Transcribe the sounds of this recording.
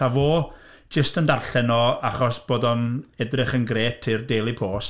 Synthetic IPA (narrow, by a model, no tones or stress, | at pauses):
avoː | d͡ʒəstəndarɬɛnɔaχɔsb̥oːdɔnɛdrɪχənɡreːtʰirdeːlˠipʰoːs